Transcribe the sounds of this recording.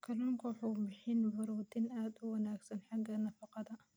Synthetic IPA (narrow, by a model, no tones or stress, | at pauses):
kʰɐloːŋkwħubɪħɪnbɐɾuːt̪inʔad̪uwɐnaːksɐnħaɡːɐnɐfɐqɑd̪ɐ